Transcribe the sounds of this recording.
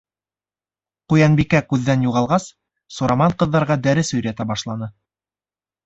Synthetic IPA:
qujɑnbikækʉðːænjuʁɑlˠʁɑs | soɾɑmɑɴqɤ̆ðːɑɾʁɑd̪æɾɘsɵ̆jɾæt̪æbɑʃlˠɑnɤ

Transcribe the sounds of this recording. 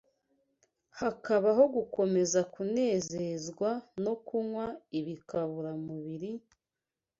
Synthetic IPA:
hakaβaɦo̞ɡuko̞me̞zakune̞ːzezɡwano̞kuŋwaiβikaβuɾamuβiɾi

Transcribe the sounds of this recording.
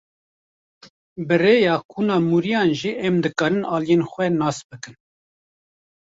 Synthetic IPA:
bɨreːjɑːkʰuːnɑːmuɾijɑːnʒiːʔɛmd̪ɨkɑːɾɨnɑːlijeːnxʷɛnɑːsbɨkɨn

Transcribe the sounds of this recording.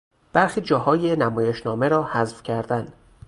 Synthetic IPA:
b̥æɾxiːd͡ʒɒːɦɒːjenæmɒːje̞ʃnɒːme̞ɾɒːhæzfcʰæɾd̪æn

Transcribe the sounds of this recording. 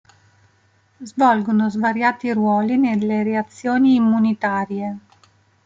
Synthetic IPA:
zvɔlɡonozvaɾjaːt̪irwɔːlinelːeɾeat̪sːjoːniːmːunit̪aːɾje

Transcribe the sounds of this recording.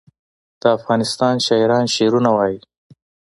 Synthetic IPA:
d̪̥əafɣɑnɪst̪ɑnʃɑɾɑnʃeɾunawɑji

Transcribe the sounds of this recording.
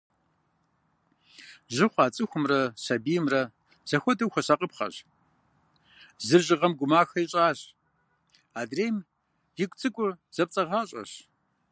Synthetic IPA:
ʑɨχʷɑːt͡sʼɨxʷʊmrɐsɐbiːjmrɐ | z̥ɐxʷɔdɐwxʷɐɕɐqʼəpχɐ̰ɕ | zɨrʑɪʁɐmɡʷʊmaːxɐiɕʼaːɕ | aːdreːm | jɪkʷʼt͡sʼɨkʷʼʊz̥ɐp̚t͡sʼɐʁaːɕʼɐ̰ɕ

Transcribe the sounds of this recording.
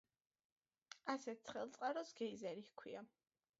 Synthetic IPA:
asɛt̪̚t̪sʰχɛlˠt̪sʼqʼaɾɔsɡ̥ɛizɛɾihkʰwia

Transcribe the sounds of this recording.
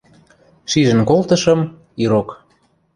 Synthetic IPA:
ʃiʒə̆nkolt̪ɤʃɤ̆m | iɾok

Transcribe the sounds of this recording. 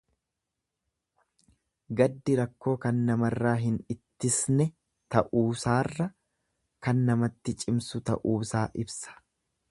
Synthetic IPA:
ɡɐd̪ːɪɾɐkːo̞ːkɐnːɐmɐrːaːɦɪnɪt̪ːɪsnɛ | t̪ɐʔuːsaːrːɐ | kɐnːɐmɐt̪ːɪt͡ʃʼɪmsʊt̪ɐ̰ʔuːsaːʔɪbsɐ̥

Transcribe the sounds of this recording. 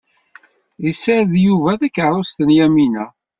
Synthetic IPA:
isəɾðjuvæðækːəʕɾˤost̪ənjæminæ

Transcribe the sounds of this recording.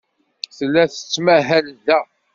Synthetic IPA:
θlːæθə̥t͡sːmæɦælðæ

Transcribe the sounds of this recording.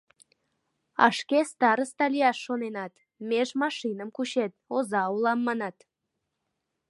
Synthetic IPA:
ɑ̰ʃkest̪ɑɾəst̪ɑlʲijɑʃːonenɑt̪ | mʲeʒmɑʃinəmkuɕet̪̚ozɑulˠɑmːɑnɑt̪

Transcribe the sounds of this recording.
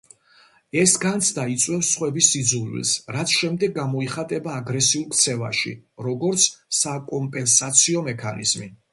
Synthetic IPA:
ɛsɡant̪sʰd̪ait̪sʼwɛfsːχwɛbisid̪zulwḭlsɾat̪sʰʃɛmd̪ɛɡːamɔiχat̪ʼɛbaːɡɾɛsiulˠkʰt̪sʰɛva̰ʃḭɾɔɡɔɾt̪sʰsakʼɔmpʼɛnsat̪sʰiɔmɛkʰanḭz̥mḭ

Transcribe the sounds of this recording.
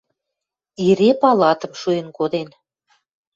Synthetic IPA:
iɾepɑlɑt̪ə̆mʃujənkod̪en

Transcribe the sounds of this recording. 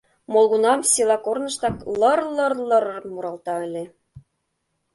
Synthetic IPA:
molˠɣunɑmsʲilˠɑkornɤ̆ʃt̪ɑklɤ̆rlɤrlɤ̆rmuɾɑlˠt̪ɑə̆lʲe

